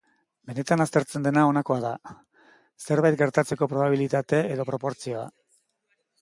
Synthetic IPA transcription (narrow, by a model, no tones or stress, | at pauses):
be̞ne̞t̪anast̪e̞ɾt͡se̞nd̪e̞nao̞nako̞aða | se̞ɾβajt̪̚ɡe̞ɾt̪at͡se̞ko̞pɾo̞β̞aβilit̪at̪e̞eð̞o̞pɾo̞po̞ɾt͡sio̞a̰